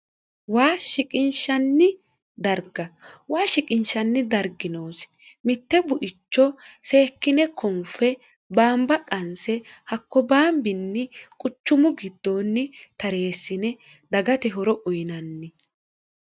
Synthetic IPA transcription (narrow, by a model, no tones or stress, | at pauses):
waːʃɪkʼɪnʃɐnːɪ | d̪ɐɾɡɐwaːʃɪkʼɪnʃɐnːɪd̪ɐɾɡɪnoːs | mɪt̪ːɛbʊʔɪt͡ʃːɔseːkːɪnɛkʰɔmfɛ | baːmbɐkʼɐnsɛhɐkːɔbaːmbɪnːɪkʼʊt͡ʃːʊmʊɡɪd̪ːoːnːɪt̪ɐɾe̞ːsːɪnɛ | d̪ɐɡɐt̪ɛɦɔɾɔʔʊjɪnɐnːɪ